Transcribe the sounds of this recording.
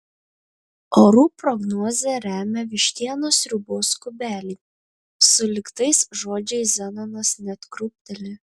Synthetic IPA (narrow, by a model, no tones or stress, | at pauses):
oːɾuːpɾɔɡnɔːzʲɛɾʲæːmʲɛʋʲɪʃʲt̪ʲiɛnoːsɾʲʊboːskʊbʲæːlʲiː | sʊlʲɪkt̪ɐɪsʒoːd͡ʒʲɛɪszʲɛnɐnɐsnʲɛt̪kɾʊpʲt̪ʲɛlʲɪ